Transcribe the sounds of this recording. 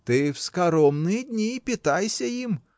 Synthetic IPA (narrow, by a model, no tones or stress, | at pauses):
t̪ɪwskɐɾɔmnɪd̪ʲnʲipʲit̪ɑjsʲɐjim